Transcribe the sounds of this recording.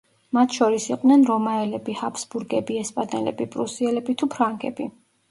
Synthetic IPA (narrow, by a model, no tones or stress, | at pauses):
mat̪ʰʃɔɾisiqʼd̪nɛnɾɔmaɛlɛbihapsbuɾɡɛbiɛspʼanɛlɛ̰bipʼɾusiɛlɛbit̪ʰupʰɾaŋɡɛ̰bi